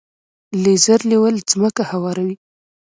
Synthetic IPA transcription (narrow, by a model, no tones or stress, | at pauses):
lezəɾliwəlzməkahawɑɾawi